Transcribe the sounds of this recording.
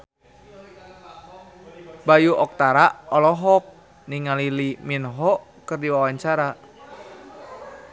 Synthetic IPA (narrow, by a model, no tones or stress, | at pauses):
bajuʔɔk̚t̪aɾaɔlɔɦɔk̚ | niŋaliliminɦɔkɨrdiwawaɲt͡ʃaɾa